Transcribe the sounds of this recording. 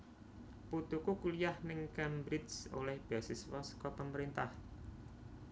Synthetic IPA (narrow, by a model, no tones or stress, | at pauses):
put̪ukukulijahnɪŋkɛmbɾɪdso̰lɛhb̥asɪswɔskɔpəməɾint̪ah